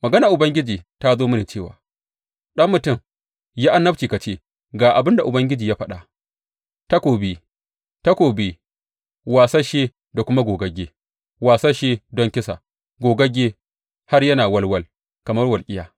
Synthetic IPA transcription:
mɐ˨ɡɐ˦na˨ʔʊ˨bɐ˦ŋɡʲɪ˦d͡ʒiː˨ta˦zoː˦mʊ˦neː˨t͡ʃeː˦˨wa̰ː˨ | ɗɐ˦mːʊ˨tʊ˦˨m | jaː˦ʔa˦nːɐ˦b̚t͡ʃiː˨ka˨t͡ʃeː˦ | ɡaː˨ʔa˨bɪ˦nda˨ʔʊ˨bɐ˦ŋɡʲɪ˦d͡ʒiː˨ja˦ɸɐ˦ɗa˨ | ta˦kʷoː˨be˦ | ta˦kʷoː˨be˦ | waː˨sa˦ʃe˦ | da˨kʷʊ˦ma˦ɡʷoː˨ɡɐ˦ɡʲeː˦ | waː˨sa˦ʃeː˦dɔ˦ŋkʲɪ˦sa̰˨ | ɡʷoː˨ɡɐ˦ɡʲeː˦ | ha˦rjɐ˦naː˨wɐ˦lwɐ˦l | kɐ˨mɐ˦rwɐ˨lkʲʼɪ˦jaː˨

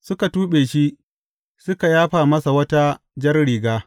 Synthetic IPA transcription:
sʊ˦ka˨tuː˦ɓeː˨ʃi˦ʔ | sʊ˦ka˨jaː˦ɸaː˨mɐ˦sa˨wɐ˦ta˦ | d͡ʒɐ˦rɽiː˨ɡaː˦

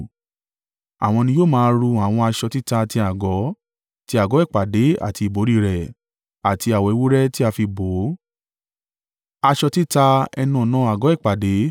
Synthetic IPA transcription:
a˨w̃ɔ̃˧nĩ˧joː˦˨mãː˦˧ɾu˧a˨w̃ɔ̃˧a˧ʃɔ˧ti˦ta˧ti˧a˨ɡɔ˨˦ | ti˧˦a˨ɡɔ˨˦ɛ˦˨k͡pa˨de˨˦a̰˨ti˧i˨bo˨˦ɾi˦˨ɾɛ˨ | a˨tʰi˧a˨wɔ˨i˧˦wo˦ɾɛ˦ti˦a˧fi˧bo˨˦ | a˧ʃɔ˧ti˦ta˧ɛ̰˧nũ˦˨ɔ˨nãː˦a˨ɡɔ˨˦ɛ˦˨k͡pa˨de˨˦

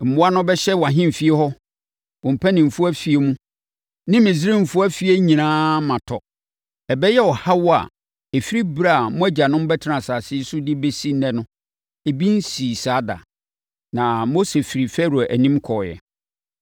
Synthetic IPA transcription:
m̩˨bʊ̃˦a˦nʊ̃˦bɛ˦ɕɛ˦wã˨ɦɪ̃˦m˨fi˦e˦hɔ˦ | ʊ̃˨m̩˨pʰæ˦nɪ̃˨m̩˨fu˦æ˦fi˨e˦mũ˦ | nɪ̃˦mɪ̃˨zɪ˦ɾɪ̃˦m̩˨fu˦a˦fi˨˦e˦ɲĩ˨nãː˦mã˨tʰɔ˨ | ɛ˨bɛ˦jɛ˦wɔ˨ha˦wɔ˦a̰˨ | e˨fi˦ɾi˦bɾa˦˨a˨mʊ̃˦æ˦d͡ʑa˨nʊ̃˦m˦bɛ˦tʰɪ˦ɾã˨saː˨sɪ˦sʊ˦dɪ˦be˦si˦nɛ̃˦nʊ̃˦ | e˨bi˦n̩˦siː˨saː˨˦da̰˨ | nã˨mo˦se˨fi˨ɾi˨fɛ˦ɾu˨æ˨ʔæ˨nĩ˦mkʰɔ˨jɛ̰˨

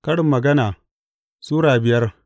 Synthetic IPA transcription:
kɐ˦ɽɪ˨mːɐ˨ɡɐ˦naː˨ | suː˦ɽaː˨bɪ˨jɐ˦r

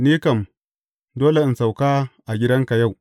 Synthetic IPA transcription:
niː˦kɐ˨m | doː˦le˨i˨nsa˨wka˦ʔa˨ɡʲɪ˦dɐ˦ŋka˨ja˦˨w

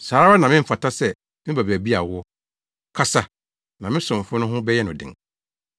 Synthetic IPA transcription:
saː˨ɾa˦a˦nã˨mɪ̃˦m̩˦fa˨tʰa˦sɛ˦ | mɪ̃˦ba˨bæ˨bi˦a˨wʊ˦ | kʰa˦sa˨ | nã˨mɪ̃˦sʊ̃˨m˨fʊ˦nʊ̃˦ɦʊ̃˦bɛ˦jɛ˦nʊ̃˨dɪ̰̃˨ŋ

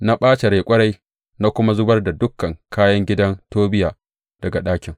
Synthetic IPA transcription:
na˦ɓaː˦t͡ʃe˨ɾeː˨kʷʼɐ˦ɽa˦j | na˦kʷʊ˦ma˦zʊ˦bɐ˦rda˨dʊ˦kːɐ˨ŋkʰaː˦jɐ˦ŋɡʲɪ˦dɐ˦ntoː˦bɪ˦jaː˨ | d̥ɐ˨ɡa˨ɗaː˦kʲɪ˨ŋ

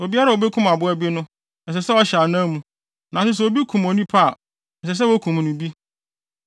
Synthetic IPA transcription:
o˨bi˦a˦ɾa˦˨o˨be˦kʰʊ̃˦ma˨bʊ˦æ˦bi˦nʊ̃˦ | ɛ˨s̬ɛ˨sɛ˦ɔ˦ɕa˨nã˦mũ˨ | nã˨sɪ˦s̬ɛ˨o˨bi˦kʰũ˨mo˨nĩ˦pʰa˦˨ | ɛ˨sɛ˨s̬ɛ˦wo˦kʰũ˨m˨nʊ̃˨bi˦

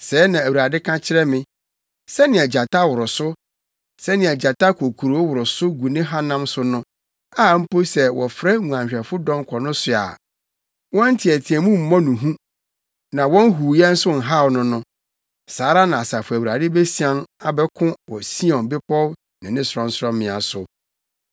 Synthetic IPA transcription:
sɛː˨˦nã˨æ˨wu˨ɾa˨dɪ˦kʰã˦t͡ɕʰɪ˦ɾɛ˦mɪ̃˦ | sɛ˦nɪ̃˨ɛ˨d͡ʑa˨tʰa˦wʊ˨ɾʊ˨sʊ˦ | sɛ˦nɪ̃˨ɛ˨d͡ʑa˨ta˦kʰo˨kʰu˨ɾo˨˦wʊ˨ɾʊ˨sʊ˦ɡu˨nɪ̃˦ɦa˦nã˦msʊ˦nʊ̃˦ | a˦˨m̩˦po˦sɛ˨wɔ˨fɾɛ˦ŋũ˨ã˨ɲ˨ɕᶣɛ˨fʊ˦dɔ̃˦ŋ˦kʰɔ˨nʊ̃˦sʊ˨a̰˨ | wɔ̃˦n̩˦tʰɪ˨ɛ˨tʰɪ˨ɛ˨mũ˦m̩˨mɔ̃˦nũ˨ɦũ˦ | nã˨wɔ̃˦n˦ɦu˨jɛ˦n̩˦sʊ˦n̩˨ɦa˦˨wnʊ̃˦nʊ̃˦ | saː˨˦ɾa˦nã˨a˨sa˨fʊ˨æ˨wu˨ɾa˨dɪ˦be˦si˨ã˦na˨bɛ˦kʰʊ̃˦wɔ˨si˦ɔ̃˨bɪ˦pɔ˦ | nɪ̃˨nɪ̃˦sɾɔ̃˦n̩˦sʊ˦ɾɔ̃˦mɪ̃˨a˨sʊ˨

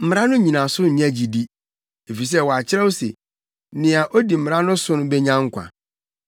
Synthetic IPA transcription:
m̩˨m˦ã˦nʊ̃˦ɲĩ˨nã˨sʊ˦ɲ̩˨ɲ˦æ˦d͡ʑi˨di˦ | e˨fi˨s̬ɛ˦wɔ˨a˨t͡ɕʰɪ˦ɾɛ˦o˦sḛ˨ | nɪ̃˨a˨ʔo˦di˨m̩˨m˨ɾã˦nʊ̃˦sʊ̃˦nʊ̃˦bɛ˦ɲã˦ŋ̩˦kʷʰã̰˨

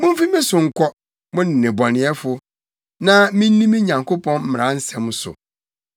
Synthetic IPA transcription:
mʊ̃˦m˦fi˦mĩ˦sʊ˨ŋ̩˨kʰʷɔ˦ | mʊ̃˦nɪ˨nɪ̃˨bɔ˨nɪ̃˨˦ɛ˦fʊ˦ | nã˦mĩ˦nː˦ĩ˦mĩ˦ɲã˨ŋkʰo˦pʰɔ̃˦nm̩˦˨ɾã˦n̩˦sɛ̃˨m˦sʊ̰˨

